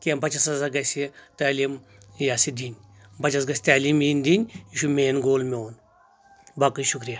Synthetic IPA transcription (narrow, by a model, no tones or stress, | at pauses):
kʲembɐt͡ʃɐsɐzaɡɐsʲit̪aːlim | jaːsid̪inʲ | bɐt͡ʃasɡɐsʲt̪aːlimind̪inʲiʃumeːnɡoːlmeoːn | bakɐjʃukɾija